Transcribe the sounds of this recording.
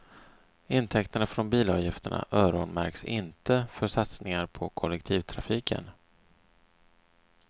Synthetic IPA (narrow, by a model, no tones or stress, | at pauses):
ɪnt̪ʰɛkt̪əɳafɾɔnbiːlɑːvjɪft̪əɳa̰ʔœːɾɔnmæɾksɪ̰nt̪əfœʂat̪snɪŋaɾpʰɔkʰɔlɛkt̪ʰiːvt̪ʰɾafiːkʰə̰n